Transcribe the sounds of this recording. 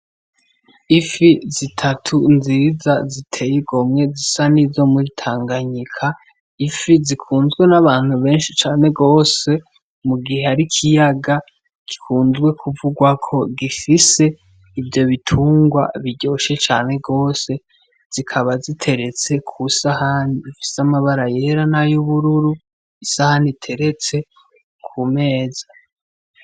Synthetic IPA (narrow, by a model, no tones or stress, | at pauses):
ifizitʰatʰunziːzazitʰe̞jiɡo̞mŋe̞zisanizo̞muɾitʰaːŋɡaɲikʰa | ifizikʰuːnzɡwe̞naβaːn̥huβe̞ːnʃit͡ʃaːne̞ɡo̞ːse̞ | muɡihe̞aɾikʰijaɡa | ɡ̥i̥kʰuːnzɡwe̞kʰuvuɡwakʰo̞ɡifise̞ | ivjo̞βitʰuːŋɡwa̰βiɟo̞ːʃe̞t͡ʃa̰ːne̞ɡo̞ːse̞ | z̥ikʰaβazitʰe̞ɾe̞t͡se̞kʰusahanifi̥samaβaɾaje̞ɾanajuβuɾuɾu | isahanitʰe̞ɾe̞t͡se̞ | kʰume̞ːza